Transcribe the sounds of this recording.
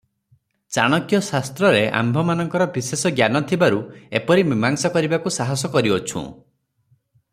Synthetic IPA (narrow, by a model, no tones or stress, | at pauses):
t͡ʃaɽ̃ɔkjɔsast̪ɾɔɾeʔa̰mbʱɔmanɔŋkɔɾɔbisesɔɡjanɔt̪ʰibaɾuepɔɾimimaŋsɔkɔɾibakusaɦɔsɔkɔɾiot͡ʃʰṵ̃